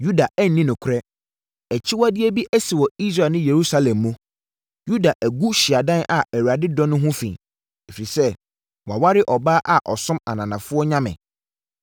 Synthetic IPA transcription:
ju˦da˨ʔæ˦n̩˨nĩ˦nʊ̃˨kʷʰʊ˦ɾɛ˦ | ɛ˨t͡ɕʰi˦wa˦dɪ˦e˦bi˦ʔæ˦si˨wɔ˨i˦s̬ɾa˨nʊ̃˦je˨ɾu˦sa˦lɛ̃˨mːũ˦ | ju˦da˨ʔæ˨ɡu˦ɕɪ˨a˨dã˦nʔa˨ʔæ˨wu˨ɾa˨dɪ˦dɔ̃˦nʊ̃˦ɦʊ̃˦fḭ̃˨ | e˨fi˨i˨sɛ˦˨ | wa˨wa˦ɾɪ˦ʔɔ˨baː˦ʔa˨ʔɔ̰˨sʊ̃˦ma̰˨nã˨nã˨fʊ˦ɔ˦ɲã˦mɪ̰̃˨

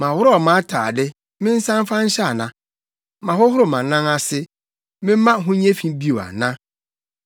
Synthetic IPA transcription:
mã˨wʊ˦ɾɔ˨mã˦tʰaː˨dɪ˦ | mɪ̃˦n̩˦sã˦m˦fã˦ɲ̩˦ɕɛ˦a˨nã˨ | mã˨hʊ˦hʊ˦ɾʊ˨mã˨nã˦ŋa˦sɪ˦ | mɪ̃˦m˦mã˦ɦʊ̃˦ɲɛ̃˦fĩ˦bi˦o˨a̰˨nã˦

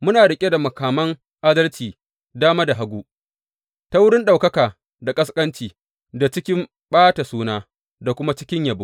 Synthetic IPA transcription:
mʊ˦naː˨ɽɪ˨kʲʼe˦da˨mɐ˨kaː˨mɐ˦ŋ | ʔa˦dɐ˦lt͡ʃiː˨ | daː˦maː˦da˨ɦa˦ɡʷuː˦ | ta˦wʊ˦ɽɪ˦nɗa˨wkɐ˦kaː˨ | da˨kʼɐ˦skʼɐ˦nt͡ʃiː˨ | da˨t͡ʃɪ˦kʲɪ˦m | ɓaː˦ta˨suː˦naː˦ | da˨kʷʊ˦ma˦t͡ʃɪ̥˦kʲɪ˦ɲjɐa˨bʊ˦

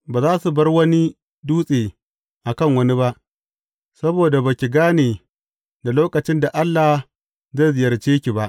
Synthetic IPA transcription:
baː˨zaː˦su˨bɐ˦rwɐ˦ni˦ | duː˦sʼeː˨ | ʔa˨kɐ˦˨ŋwɐ˦ni˦ba˦ʔ | sɐ˦boː˨da˨ba˨kʲi˨ɡaː˦neː˨ | da˨loː˦kɐ˨t͡ʃɪ˦nda˨ʔa˦lːa˨ | ze˦˨zɪ˨jɐ˨t͡ʃeː˦kʲi˨ba˦ʔ

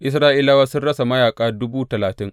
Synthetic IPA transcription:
ʔɪ˦sɾaː˦ʔiː˦laː˦waː˦sʊ˦nɽɐ˦sa˨mɐ˦jaː˨kʼaː˦dʊ˦buː˦tɐ˨laː˨tɪ˦ŋ

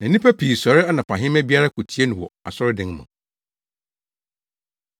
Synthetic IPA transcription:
nã˨nĩ˦pʰæ˦pʰi˨sɔ˨ɾɪ˦a˦nã˨pʰã˨ɦɪ̃˦mɛ˦bi˦a˦ɾa˦kʰu˨tʰi˦e˦nʊ̃˨wɔ̰˨a̰˨sɔ˦ɾɪ˦dɪ̃˦ŋ˦mã̰˨

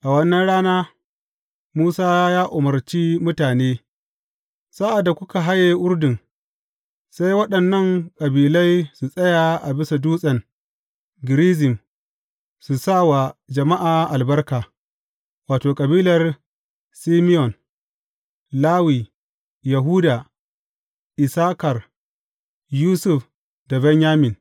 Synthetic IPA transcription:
ʔa˨wɐ˦nːɐ˦nɽaː˦naː˦ | muː˦saː˦jaː˦ʔʊ˨mɐ˨rt͡ʃiː˦mʊ˦taː˨neː˦ | sa˦ʔa˨dːa˨kʷʊ˦ka˨ɦa˦je˨ʔʊ˦ɾdɪ˨ŋ | sa˦jwɐ˦ɗɐ˨nːɐ˦˨ŋkʼɐ˨biː˨la˦jsu˨sʼɐ˦ja˨ʔa˨bɪ˦sa˨duː˦sʼɐ˨ŋ | ɡɪ˨ɾiː˦zɪ˨m | su˨sa˦wa˨d͡ʒɐ˨ma˦ʔaː˨ʔa˨lbɐ˦rkaː˨ | waː˨toː˨kʼɐ˨biː˦lɐ˨r | siː˦mɪ˦ɔ˨n | laː˦wiː˨ | ja˨ɦuː˦daː˨ | ʔɪ˨saː˦kɐ˨r | juː˦sʊ˦f | da˨bɛ˦ɲjaː˦mɪ˨n

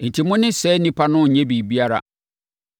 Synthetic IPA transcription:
n̩˨tʰi˨mʊ̃˦nɪ̃˦sɛ˨˦nĩ˦pʰa˦nʊ̃˦˨ɲɛ̃˦bi˨bi˦a˦ɾa̰˨

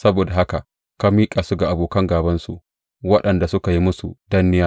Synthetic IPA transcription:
sɐ˦boː˨da˨ɦa˦ka˨ | ka˦miː˦kʼaː˨su˦ɡa˨ʔa˨boː˨kɐ˦ŋɡaː˨bɐ˦nsṵ˨ʔ | wɐ˦ɗɐ˨nda˨sʊ˦ka˨ji˦mʊ˦su˨d̥ɐ˦nːɪ˦jaː˦

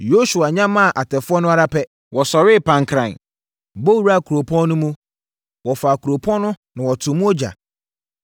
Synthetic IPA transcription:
jo˦su˨a˨ɲã˦mã˦˨ʔa˨tʰɛ˨fʊ˦ɔ˦nʊ̃˦a˦ɾa˦pʰɛ˦ | wɔ˨sɔ˨ɾɪ˦˨pʰã˨ŋ˨kʰɾã̰˨n | bo˦wu˨ɾa˦˨kʰu˨ɾo˨pʰɔ̃˦nː˦nʊ̃˦mũ˦ | wɔ˨fa˨kʰu˨ɾo˨pʰɔ̃˦nʊ̃˦nã˨wɔ˨tʰʊ̃˨mũ˦ɔ˦d͡ʑa̰˨

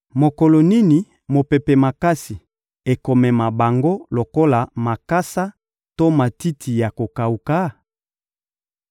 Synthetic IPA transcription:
mo˨ko˨lo˨ni˦ni˨ | mo˨pe˨pɛ˨ma˨ka˦si˨ | e˨ko˨mɛ˨ma˨ba˨ŋɡo˦lo˨ko˦la˨ma˨ka˦sa˦ | to˦ma˨ti˦tʰi˨ja˨ko˨ka˨u˨ka˦

